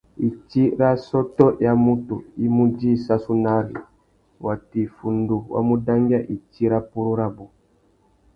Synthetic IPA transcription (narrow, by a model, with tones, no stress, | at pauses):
i˨t͡ʃi˦ɾa˦sɔ˦tɔ˦ja˦mu˦tṵ˨i˦mu˦d͡ʒi˦˨sa˦su˦na˦ɾḭ˨ | wa˨ti˨fu˨ndu˨wa̰˦mu˦da˦ŋɡi˦a˦˨ʔi˨t͡ʃi˦ɾa˦pu˦ɾu˦ɾa˦bu˨